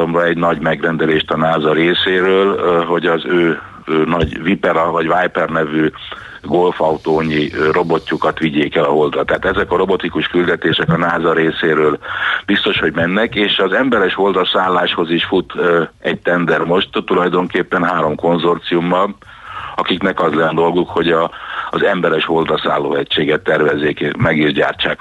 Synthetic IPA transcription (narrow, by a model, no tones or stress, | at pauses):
omrɒɛɟnɒɟmɛɡrɛnd̪ɛleːʃt̪ɒnaːzɒɾeːseːɾøːlɦo̞ɟɒzøː | nɒɟvipɛɾɒvɒɟʋajpɛrnɛvy | ɡo̞lfɒwt̪oːɲːiro̞bo̞cːukɒt̪ʋiɟeːkɛlɒɦo̞ld̪rɒt̪ːɛaːt̪ɛzɛkɒɾo̞bo̞t̪ikuʃkyld̪ɛt̪eːʃɛkɒnaːzɒɾeːseːɾøːlbist̪o̞ʃho̞ɟmɛnːɛkeːʃɒzɛmbɛɾɛʃho̞ld̪ɒsaːlːaːʃho̞ziʃfut̪ːɛɟ̚t̪ɛnd̪ɛrmo̞ʃt̪t̪ulɒjd̪o̞ŋkeːpːɛnɦaːɾo̞mko̞nzo̞rt̪siumːɒl | ɒkiknɛkɒzlɛnd̪o̞lɡukho̞ɟɒːzɛmbɛɾɛʃho̞ld̪ɒsa̰ːlːoːɛcʃeːɡɛt̪ːɛrvɛzːeːkemɛɡiʒɟa̰ːrt͡ʃaːk